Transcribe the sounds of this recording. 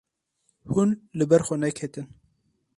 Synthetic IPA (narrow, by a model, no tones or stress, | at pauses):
hunlɨbɛɾxʷɔnɛkhet̪ɨn